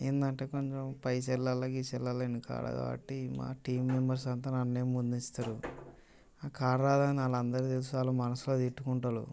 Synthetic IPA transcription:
eːnd̪ɐɳʈeːkoɲt͡ʃempɐjsɛlːalɐkit͡ʃɛlːalɐnika̰ːɾa̰ːd̪a̰ɐ̰ʈːima̰ːʈiːmːembɐɾs̬ɐnt̪̬aːnɐnːeːmmund̪uist̪aːɾu | aːkaːɾɾaːd̪aːniaːlɐnd̪ɐɾit̪els̬ut͡ʃaːlaːmɐnɐsuloːt̪iʈːukuɳʈaːɾṵ

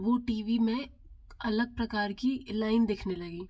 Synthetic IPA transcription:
ʋoʈiːʋimẽ | ɐləɡ̚pɾɐkaːɾkilaːɪnd̪eːkʰnelɐɡiː

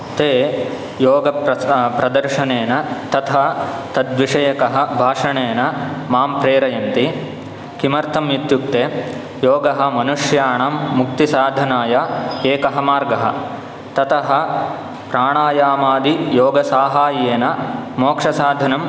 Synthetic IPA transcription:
t̪eː | joːɡɐpɐpɾɐd̪ɐɾʂɐneːnɐt̪ɐt̪ʰɐt̪ɐd̪ʋiʂɐjɐkɐɦɐ̆bʱaːʂɐɳeːnɐmaːmpɾeːɾɐjɐnt̪i | kimɐɾt̪ʰɐmjit̪juk̚t̪eː | joːɡɐɦɐ̆mɐnuʂjaːɳɐːmːuk̚t̪isaːd̪ʱɐnaːjaːeːkɐɦɐmaːɾɡɐɦɐ̰̆ | t̪ɐt̪ʰɐɦɐ̆ | pɾaːɳaːjaːmaːd̪ijoːɡɐsaːɦaːjeːnɐmoːkʂɐsaːd̪ʱɐnɐm

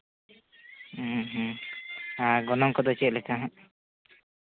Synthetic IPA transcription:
ɦ | aɡɔnɔŋkɔd̪ɔt͡ʃɛt̪̚lɛkʰaɦã

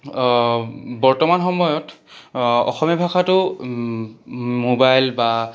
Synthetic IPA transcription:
bɔɹtɔmanxɔmɔjɔt | ɔ̰xɔmɔbʱakʰatʊ | mobajlba

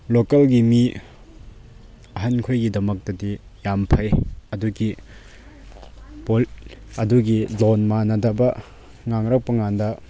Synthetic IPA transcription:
lokɐlɡimi | ɐɦɐnkʰojɡidɐmɐk̚tɐdijampʰɐjɐduɡi | polɐduɡilonmanɐdɐbɐ | ŋaŋɾɐk̚pɐŋandɐ

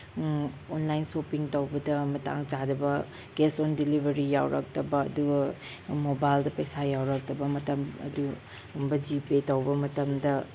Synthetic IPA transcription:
onlajnsopiŋtɐwbɐdɐmɐta̰ŋd͡ʒadɐbɐ | ɡ̥esondilibʱɐɾija̰wɾʔɐ̰k̚tɐbɐ̰ːduɡ | mobajldɐpɐjsajawɾɐk̚tɐbɐmɐtɐmɐ̰du | bɐd͡ʒipetɐwbɐmɐtɐmdɐ

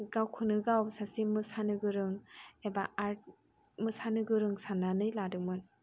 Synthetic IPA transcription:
ɡawkʰɯnɯɡawsasimɯsanɯɡɯɾɯŋebaaɾt̚ | mɯsanɯɡɯɾɯŋsananɯjladɯŋmɯn

